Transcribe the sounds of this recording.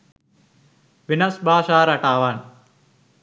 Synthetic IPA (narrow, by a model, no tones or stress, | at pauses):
ʋinɐsbʱaːʃaːɾɐʈaːʋaːn